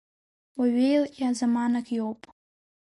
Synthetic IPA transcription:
waɥejliazamanakʰʼjowpʼ

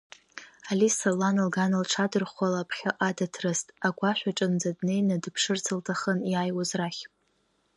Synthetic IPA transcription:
alisalanɨlɡanɨlʈ͡ʂʰadɨrχʷalapʰχʲaʔadatʰrɨstʼaɡʷaʃʷᶣaʈ͡ʂʼɨnd͡zadne̞jnadɨpʰʂɨrt͡sʰɨltʰaχənjajwazraχʲ

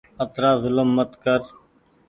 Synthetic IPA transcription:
ət̪ɾaːzʊləmːət̪kəɾ

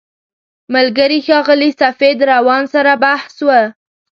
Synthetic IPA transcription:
malɡəɾixɑɣəlisafed̪ɾawɑnsaɾabahswə

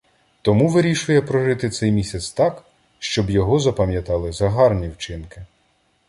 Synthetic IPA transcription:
t̪ɔmuʋɪɾʲiʃʊjɛpɾɔʒɪt̪ɪt̪sɛjmʲisʲɐt̪st̪ɑk | ʃt͡ʃɔbjɔɦɔzɐpɐmʲjɐt̪ɑlˠɪzɐɦɑrnʲiwt͡ʃɪnkɪ

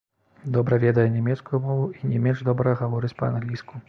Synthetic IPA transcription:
d̪ɔbɾɐvʲɛd̪ɐjɛnʲɛmʲɛt̪skujumɔvuinʲɛmʲɛnʐd̪ɔbɾɐɐɣavɔɾɨt͡sʲpɐa̰nɣlʲisku

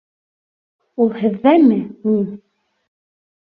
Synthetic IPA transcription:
ulˠhɘ̆ðːæmɘmin

